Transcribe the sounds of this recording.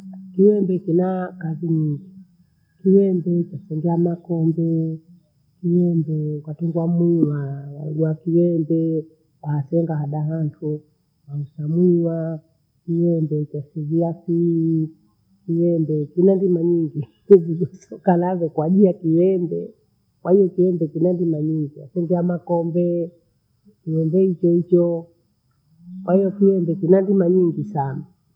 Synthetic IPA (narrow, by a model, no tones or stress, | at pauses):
kiwɛmbɛkinakaziɲiŋɡi | kiwɛmbɛt͡ʃasɛŋɡɛamakɔmbɛ | kiwɛmbɛkwatɛŋɡwamwiwawaɡwakiwɛmbɛ | wahasɛŋɡahaɗaɦantʰu | ausamwiwa | kiwɛmbɛt͡ʃasiviafiː | kiwɛmbɛkinandimaɲiŋɡi | viɗɔsɔkalavɛkwaʄijakiwɛmbɛ̰ | kwahijɔkiwɛmbɛkinandimaɲiŋɡia̰sɛndiamakɔmbɛ | kiwɛmbɛhit͡ʃɔhit͡ʃɔ | kwahijɔkiwɛmbɛkinandimaɲiŋɡisana